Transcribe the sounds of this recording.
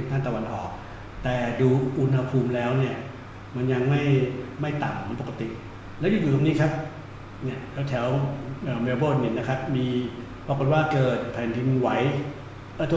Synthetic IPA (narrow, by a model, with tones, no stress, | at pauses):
nt̪ʰaː˥˩nt̪a˧wa˧nʔɔ̰ː˨˩k̚ | t̪ɛː˨˩duː˧ʔu˧nha˧pʰuː˧mlɛː˦˥wni˥˩ɐ | ma˧nja˧ŋma˥˩jma˥˩jt̪a˨˩m˧po˨˩ka˧t̪i˨˩ʔ | lɛː˦˥wjuː˨˧˩juː˨˩t̪o˧˩niː˦˥kʰa˦˥p̚ | ni˥˩ɐt̪ʰɛ˧˦t̪ʰɛː˩˦wəː˧˩me˧boː˥˩niː˧˩na˦˥kʰa˦˥p̚miː˧ | pɾaː˧˥ko˨˩t̪̚waː˥˩kɤː˨˩t̪̚pʰɛː˨˩nt̪ʰi˧mwa˨˦˥j | ʔəɤː˧˩u˥˧